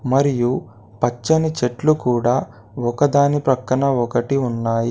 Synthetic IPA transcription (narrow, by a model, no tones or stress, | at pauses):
mɐɾiju | pɐt͡ʃːɐnit͡ʃeʈlukuːɽaː | ɔkɐd̪aːnipɾɐkːɐɳɐɔkɐʈiunːaːji